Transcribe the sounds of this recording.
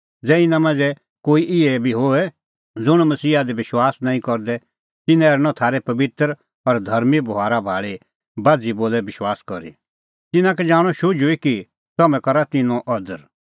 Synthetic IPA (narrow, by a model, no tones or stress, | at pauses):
d͡zɛːɪnãmãːd͡zɛ | koːiʔɪɛbʱiɦoɛ | d͡zʊɽ̃mɐsiːad̪ɛbɪʃwaːsnãːĩkɔɾd̪ɛ | t̪ɪnɛ̃ɛɾñɔ̃t̪ʰaːɾɛpɐbɪt̪ɾ | ɔɾd̪ʱɐɾmibʊɦaːɾabʱaːɭi | baːd͡ziboːlɛbɪʃwaːskɔɾḭ | t̪ɪnãkɛd͡zaːɽ̃ɔʃʊd͡ʒʊiki | t̪ɐmɛ̃kɐɾat̪ɪnɔ̃ʔɐd̪əɾ